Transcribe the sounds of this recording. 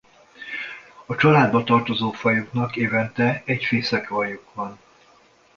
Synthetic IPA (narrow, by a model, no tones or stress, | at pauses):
ɒt͡ʃɒlaːd̪̚bɒt̪ɒrt̪ozoːfɒjuknɒkeːvɛnt̪ɛɛcfeːsɛkɒjukvɒn